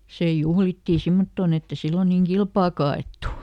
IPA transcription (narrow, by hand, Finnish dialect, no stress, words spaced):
seˑ juhlitːi simːotːoːn etː e silːon niːŋ kilpɑːkɑ ɑeˑtːu